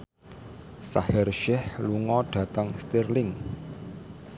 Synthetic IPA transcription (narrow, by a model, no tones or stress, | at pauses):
sa̰hɪrʃɛhluŋɔɖ̥ä̤t̪əŋst̪irlɪŋ